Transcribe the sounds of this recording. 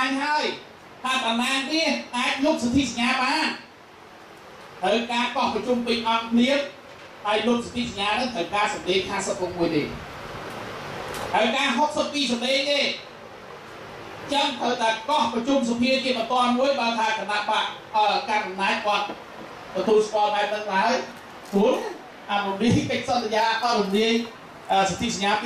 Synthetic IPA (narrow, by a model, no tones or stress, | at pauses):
ŋɦaəj | t̪ʰaːk̪anaːŋriəhʔaːc̚lup̚sat̪ʰisaɲaːɓaːn | t̪əwkaːkɑhprɑt͡ɕumpɨɲʔɑt̪̚kʰliət̚ | ɗaɔjlup̚sḁt̪ʰisaɲːaːnɨŋt̪ʰəwkaːsɑmleːŋ̚haːsəp̚rɔmuəjt̪ḛː | haəjkaːɦok̚səpːiːsɑmleːŋt̪eː | t͡ɕəŋt̪ʰəwt̪aɛkɑhprɑt͡ɕumsɑpʰiət͡ɕiəɓɑnt̪oənmuəjɓaːlt̪ʰaːkənaʔpaʔ | əːkaːnʔɑmnaːc̚kŏət̪̚ | t̪ɔt̪uːlskŏəlɓaɛp̚nɨŋɗaəj | suən | ʔarumliəjkəc̚sɑnːəjaːkoumliəj | ʔəːsɑt̪ʰisəɲaː